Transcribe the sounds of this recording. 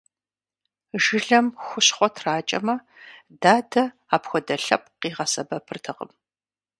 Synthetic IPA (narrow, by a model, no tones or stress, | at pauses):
ʒɨɮɐmxʷʊɕχʷɔtʰraːt͡ʃʼɐ̰mɐ | daːdɐ | aːpxʷɔdɐɬɐp̚qiːʁɐsɐbɐpʰɨrtʰɨqə̰m